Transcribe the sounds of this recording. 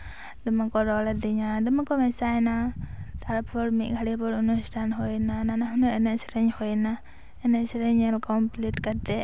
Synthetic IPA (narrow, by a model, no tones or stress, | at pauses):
d̪ɔmakɔɾɔlɛd̪iɲad̪ɔmakɔmɛsajnat̪aɾpʰɔɽmiʔ̚ˀɡʱaɽipɔɾunusʈʰanɦɔjnananaɦunɔʔɛnɛʔsɾɛɲhɔjna | ɛnɛʔsɾɛɲɛlkɔmpliʈkat̪ɛ